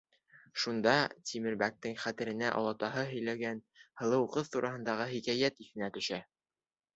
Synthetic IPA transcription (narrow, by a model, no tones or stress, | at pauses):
ʃund̪ɑt̪ʲʰimɘ̆ɾbæk̚t̪ɘŋχæt̪ɘ̆ɾɘ̆næʔɒ̰lˠɑt̪ɑɦɤɦɵ̆jlæɡænhɤ̆lˠɤ̆wqɤθt̪uɾʔɑhɤ̆nd̪ɑʁɤɦikæjæt̪iθɘ̆næt̪ɵ̆ʃæ